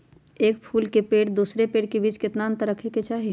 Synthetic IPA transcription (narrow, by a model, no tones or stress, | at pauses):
eːkpʰuːlkepeːʈd̪uːsɾepeːʈ̚kebiːt͡ʃkɪt̪naə̃nt̪əɾəkʰeket͡ʃaːɦie